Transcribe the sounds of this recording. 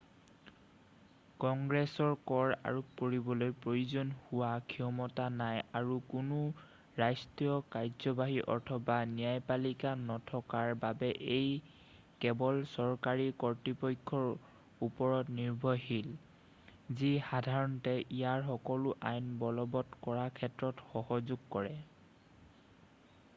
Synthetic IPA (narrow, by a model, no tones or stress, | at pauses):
kɔŋɡɹɛsɔɹkɔɹa̰ɹup̚koɹibɔlojpɹojuzɔnhuwakʰiɔmɔtanajaɹukʊnʊ | ɹajstiɔkaɹzɔbaɦiʔɔ̰ɹtʰɔbanijajpalikanɔtʰɔkaɹbabɛʔej | kɛbɔlsɔɹkaɹikɔɹtipɔjkʰːɔɹ | upɔɹɔtniɹbʱɔjɦil | zixadʱaɹɔntɛʔijaɹxɔkɔlʊʔajnbɔlɔbɔtkɔɹakʰɛtɹɔtxɔɦɔzuɡkɔɹɛ